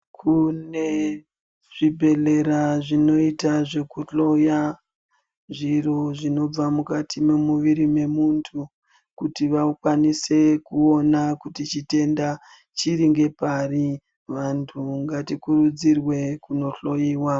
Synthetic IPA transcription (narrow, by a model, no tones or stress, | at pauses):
kʰune̞ | ʐ̥ibʱe̞ɮe̞ɾaʐino̞itaʐe̞kuɬo̞ja | ʐiro̞ʐino̞b͡vamukatʰimemuʋiɾime̞muntʰu | kutiʋakwanise̞kuo̞nakutit͡ʃite̞nda | t͡ʃiriŋɡe̞pari | ʋantʰuŋɡatikurud͡zirwe̞kuno̞ɬo̞jiːwa